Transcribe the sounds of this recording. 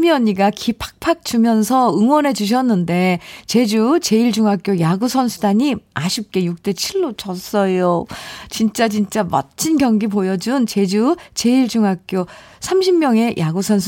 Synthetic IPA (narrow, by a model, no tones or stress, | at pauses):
miʌɲiɡakʰipʰḁk̚pʰak̚t͡ɕumjʌns̬ʰʌɯŋwʌnɦe̞d͡ʑuɕ̬ʰʌnːɯnde̞t͡ɕe̞d͡ʑut͡ɕe̞iɭd͡ʑuŋɦak͈jojaɡusʰʌnsʰudaɲimaɕʰip̚k͈e̞juk̚t͈e̞t͡ɕʰiɭːot͡ɕʌs͈ʌjot͡ɕint͡ɕ͈at͡ɕint͡ɕ͈amʌ̰t͡ɕʰinɡjʌŋɡipojʌd͡ʑunt͡ɕe̞d͡ʑut͡ɕe̞iɭd͡ʑuŋɦak̚k͈jo | sʰamɕʰimɲjʌŋe̞jʔaɡusʰʌnsʰ